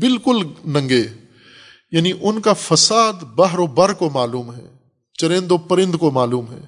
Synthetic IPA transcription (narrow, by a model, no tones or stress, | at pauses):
bɪlkʊlnɐ̃ŋɡeː | jaːniʔʊnkafɐsaːd̪bɐɦɾobɐɾkomaːluːmɦɛ̰ː | t͡ʃɐɾẽːnd̪opɐɾɪ̃nd̪komaːluːmɦɛ̰ː